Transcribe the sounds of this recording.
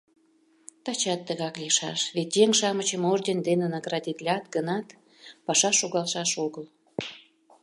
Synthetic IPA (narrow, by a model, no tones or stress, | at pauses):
t̪ɑt͡ɕɑt̪ːəɣɑklʲeʃɑ̰ʃβet̪ʲjeŋʃɑmət͡ɕəmoʒd̪ʲend̪enenɑɡrɑd̪ʲit̪lʲɑt̪ɡənɑt̪ | pɑʃɑʃoɣɑlʃɑʃoɣəl